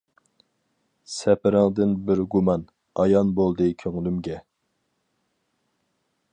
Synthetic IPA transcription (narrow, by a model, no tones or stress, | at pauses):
sɛpɪɾɪŋd̪ɨnbɪɾɡumɑn | ɑjɑnbolˠd̪ɨkʲʰøŋlymɡʲɛ